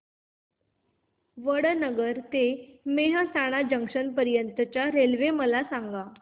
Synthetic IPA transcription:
ʋəɽənəɡəɾt̪emeɦəsaɽ̃ad͡ʑəŋkʂənpəɾjənt̪ət͡ɕjaɾelʋeməlasaŋɡa

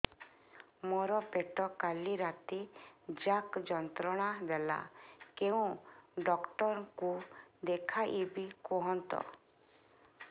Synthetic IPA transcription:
mɔɾɔpeʈɔkaliɾat̪id͡ʒakd͡ʒɔnt̪ɾɔɽ̃ad̪ɛla̰keũɖɔkʈɔɾkud̪ekʰaʔibikɔɦɔnt̪ɔ̰

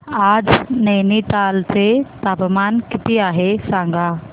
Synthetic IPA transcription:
aːd͡ʑnɐːniʈaːlt̪et̪aːpmaːnkɪt̪iaːɦesãːŋɡʱaː

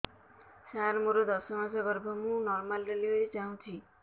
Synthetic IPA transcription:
saɾmoɾod̪ɔsɔmasɔɡɔɾbʱɔmũnɔɾmalːeliɦoɾit͡ʃaɦũt͡ʃʰi

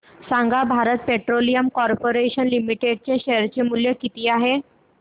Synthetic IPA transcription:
sãŋɡabʱaɾət̪̚peʈɾolijəmkɔɾpoɾeɕənlimiʈeɖ̚t͡ɕeɕeɾt͡ɕemuljəkit̪iːaɦe

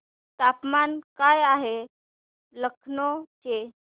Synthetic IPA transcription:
t̪apmankajaɦe | ləkʰnɔt͡ɕe

